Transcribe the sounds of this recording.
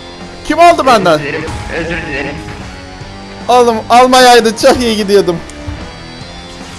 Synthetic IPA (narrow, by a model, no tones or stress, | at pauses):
cʰimalˠd̪ɯbænd̪æn | alˠɯmalˠmajajd̪ɯt͡ʃʰaxjeɡid̪ijod̪ɯm